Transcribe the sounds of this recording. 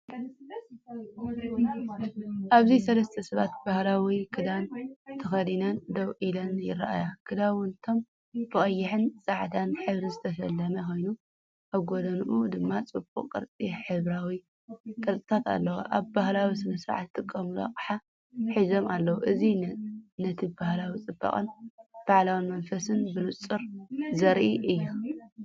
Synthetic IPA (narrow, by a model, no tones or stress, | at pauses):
ʔaβzisɐlɐst̪ʰɐsɐβa̰t̪̚bahlawikʰɨd̪ant̪ʰɨxɐd̪inɐnd̪ɐwʔilɐnjɪ̰ɾa̰ʔa̰jakʰɨd̪awʊnt̪ʰo̞m | bɨxʼɐjːɪħɨnsʼaʕt̪ʰanħɨβɾizɨt̪ʰɐʃɐlːɐmɐxo̞jnu | ʔaβɡo̞d̪ɐnuʔud̪ɨmːat͡sʼɨbʼṵqʼkʼɨ̰ɾt͡sʼiħɨβɾawi | k̪ʼɐlt̪ʼɨt̪ʰat̪a̰lːɐwa̰ʔaβbahlawisɨmɐsɾʕa̰t̪ːɨkʼːɐmula̰qʼħa | ħizo̞malːɐwuʔɨzinɐt̪ʰibahlawit͡sʼɨbːɐ̰χʼɨ̰nb̥aʕlawɨnmɐnfɐsɨnbɨnut͡sʼːɨɾzɐɾʔiʔɨjːu